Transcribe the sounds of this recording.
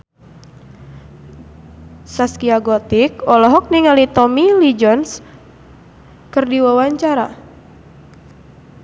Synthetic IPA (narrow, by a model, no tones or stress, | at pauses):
saskiaɡɔt̪ikɔlɔɦɔk̚niŋalit̪ɔmilid͡ʒɔns | kɨrdiwawaɲt͡ʃaɾa̰